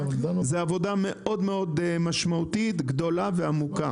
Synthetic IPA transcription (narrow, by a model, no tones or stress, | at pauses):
zeavo̞dame̞ʔʔo̞d̪me̞o̞d̪maʃmaut̪it̪ɡdo̞lave̞amuka